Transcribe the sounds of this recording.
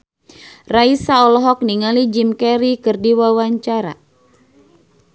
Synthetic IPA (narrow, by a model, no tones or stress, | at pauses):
raisaɔlɔɦɔk̚niŋalid͡ʒimkɛɾikɨrdiwawaɲt͡ʃaɾa̰